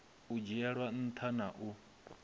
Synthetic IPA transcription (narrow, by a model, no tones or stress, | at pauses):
ud͡ʒiaɺwan̩t̪ʰanaʔu